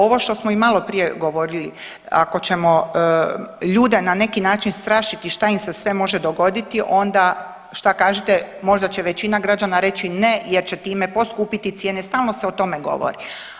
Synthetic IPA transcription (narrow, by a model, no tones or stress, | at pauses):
o̞ʋoʃt̪o̞smoimalo̞pɾije̞ɡo̞ʋo̞ɾilḭ | a̰ko̞t͡ɕe̞mo̞ | ʎuːd̪enane̞kinaːt͡ʃinst̪ɾaːʃit̪iʃt̪aimsesʋe̞mo̞ʒed̪o̞ɡo̞d̪it̪iʔo̞nd̪a | ʃt̪akaːʒet̪emo̞ʒd̪at͡ɕe̞ʋet͡ɕinaɡɾad͡ʒanaɾe̞t͡ʃine̞jeɾt͡ɕet̪iːme̞po̞skuːpit̪it̪sjeːnest̪aːlˠno̞seot̪o̞meɡo̰ʋo̰ɾi